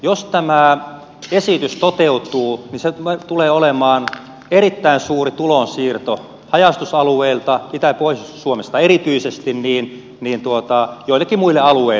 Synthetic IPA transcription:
jost̪æmæˑ | esit̪yst̪ot̪eut̪uːniseet̪uleːolemɑːn | erit̪ːæinsuːrit̪ulonsiːrt̪o | hɑjɑst̪usɑlueilt̪ɑit̪æpoissuomest̪ɑeɾit̪yisest̪inniːn | niːnt̪uot̪ɑjoˑilːˑekːimuilːeɑluei

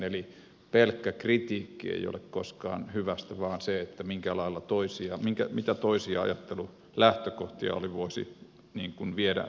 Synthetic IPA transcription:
eli | pelkːækrit̪iːkːiḛijo̰lekkoskɑ̰ːnhyʋæst̪æʋɑːnseet̪ːæmiŋkælɑilːɑt̪oisiɑmiŋkæmit̪æt̪oisiɑɑ̰jɑt̪ːelu | læht̪økoht̪iɑ̰o̰liʋoisḭ | niːŋkunʋieɾæ̰

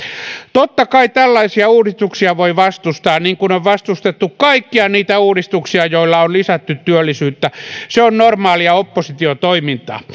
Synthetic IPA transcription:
t̪ot̪ːɑkɑit̪ælːɑisiɑuːrist̪uksiɑʋoiʋɑst̪ust̪ɑːnniːŋkunoʋʋɑst̪ust̪et̪ːukkɑikːiɑniːt̪æuːrist̪uksiɑjoilːɑonlisæt̪ːyt̪tyølːisyːt̪ːæseonnormɑːliɑopːosit̪iot̪oimint̪ɑ̰

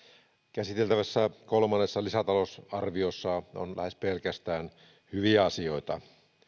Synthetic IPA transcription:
kæsit̪elt̪æʋæsːækolmɑnːesːɑlisæt̪ɑlosɑrʋiosːɑo̰nlʔæ̰hespelkæst̪æːn | hyʋiæɑsioit̪ɑ̰

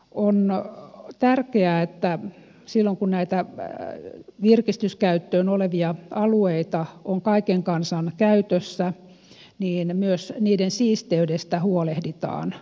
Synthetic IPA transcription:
on | t̪ærkeæet̪ːæ | silːoŋkunnæit̪æ | ʋirkist̪yskæyt̪ːøːnoleʋiɑɑlueit̪ɑoŋkɑikeŋkɑnsɑnkæyt̪øsːæ | niːnmyøsniːdensiːst̪eydest̪æhuolehdit̪ɑ̰ːn

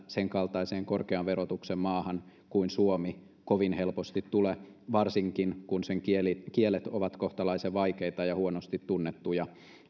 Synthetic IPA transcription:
seŋkɑlt̪ɑiseːŋkorkeɑʋʋerot̪uksemmɑːhɑn | kuinsuomi | koʋinhelpost̪it̪tuleʋɑrsiŋkinkunseŋkielikielet̪oʋɑt̪koht̪ɑlɑiseʋɑikeit̪ɑjɑhuonost̪it̪tunːet̪ːujɑ

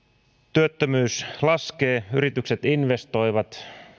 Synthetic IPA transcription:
t̪yøt̪ːømyːslɑskeːyɾit̪ykset̪inʋe̞st̪o̞jʋɑt̪

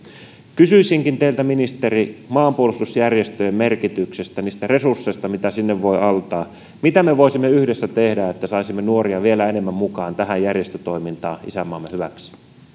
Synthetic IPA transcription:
kysyisiŋkint̪eilt̪æminist̪erimɑːmpuolust̪usjærjest̪øjemmerkit̪yksest̪æniːst̪ære̞sursːeist̪ɑmit̪æsinːeʋʋo̞iʔɑlt̪ɑː | mit̪æmeʋoisimːeyhdesːæt̪ehdæet̪ːæsɑisimːenuoɾiɑʋielæene̞mːæmmukɑːnt̪æɦæjærjest̪øt̪o̞imint̪ɑːʔḭsæmːɑːmːehyʋæ̰ksi̥

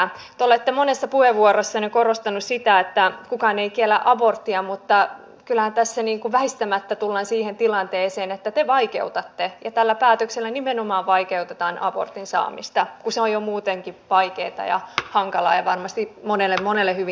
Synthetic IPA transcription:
t̪eolet̪ːemonesːɑpuheʋʋuorosːɑnekorost̪ɑnussit̪æet̪ːækukɑːneik̪ielːæ̰ʔɑbort̪ːiɑmut̪ːɑ | kylæhænt̪æsːæniːŋkuʋæhist̪æmæt̪ːæt̪ulːɑnsiːhent̪ilɑnt̪eːseːnet̪ːæt̪eʋɑikḛut̪ɑt̪ːejɑt̪ælːæpæːt̪økselːænimenomɑːʋʋɑikeut̪et̪ɑːnʔɑ̰bo̰rt̪insɑ̰ːmist̪ɑkuseojomuːt̪eŋkiʋɑikeːt̪ɑ̰jɑ̰hɑŋkɑlɑ̰ːjɑʋɑrmɑst̪imonelːemmonelːehyʋi

